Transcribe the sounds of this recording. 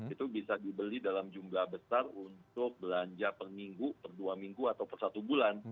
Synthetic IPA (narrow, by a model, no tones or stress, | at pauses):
it̪ubisadibəlidalamd͡ʒumblabəsarunt̪ʊk̚bəlaɲd͡ʒapərmiŋɡupərduamiŋɡuat̪awpərsat̪ubulan